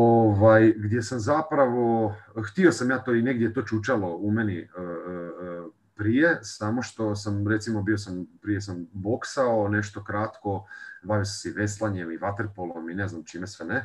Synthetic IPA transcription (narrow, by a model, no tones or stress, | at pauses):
oʋajɡd̪je̞samzapɾaʋo̞xt̪io̞samjaːt̪oːine̞ɡd̪jet̪o̞ːt͡ʃut͡ʃalo̞umeniə | pɾijesamo̞ʃt̪o̞samɾe̞t̪simo̞biosampɾije̞sambo̞ksao̞ne̞ʃt̪o̞kɾat̪ko̞baʋiosamseiʋe̞slˠaɲe̞miʋat̪eɾpolˠomine̞znamt͡ʃimesʋene